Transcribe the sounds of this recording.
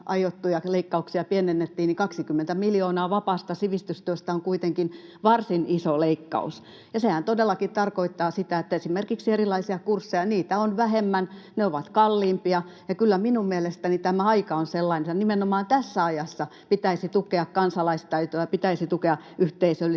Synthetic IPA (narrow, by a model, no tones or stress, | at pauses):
ʔɑjot̪ːujɑleikːɑuksiɑpienenːet̪ːiːnnikɑksikymːent̪æmiljoːnɑːʋɑpɑːst̪ɑsiʋist̪yst̪yøst̪æoŋkuit̪eŋkinʋɑrsinisoleikːɑ̰ṵs | jɑsehænt̪odelːɑkit̪ɑrkoit̪ːɑːsit̪æet̪ːæesimerkiksierilˑɑisiɑkursːejɑniːt̪æonʋæhemːæn | neoʋɑt̪kɑlːiːmpiɑjɑkylːæminummielest̪ænit̪æmæɑikɑonselːɑinet̪ɑnimenomɑːnt̪æsːæɑjɑsːɑpit̪æisit̪ukeɑkkɑnsɑlɑist̪ɑyt̪oæpit̪æisit̪ukeɑʔyht̪eisølːi